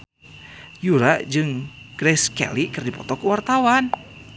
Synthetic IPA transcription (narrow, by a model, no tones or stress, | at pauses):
juɾaʔd͡ʒɨŋ | ɡ̥ɾɛskɛ̰likɨrdipɔt̪ɔkuwart̪awan